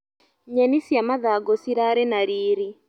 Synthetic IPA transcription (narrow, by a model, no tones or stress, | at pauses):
ɲɛnisjamaðaɡɔsiɾaɾɛnaɾiːɾi